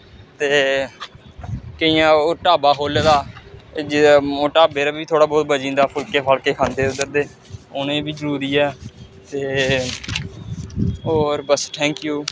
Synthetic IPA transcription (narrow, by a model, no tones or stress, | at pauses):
t̪eː | kəijãːoːʈaːbaːɦoːlaːd̪aːd͡ʒoːʈaːbeːɾaːbiːt̪ʰoːɽaːbɔːt̪̚bəd͡ʒĩːnd̪aːpʰʊlkeːpʰaːlkeːkʰãːnd̪eːʊd̪əɾd̪eː | onẽːbiːzəɾuːɾiːɛː | t̪eː | oːɾbəsʈʰɛ̃ːŋkjuː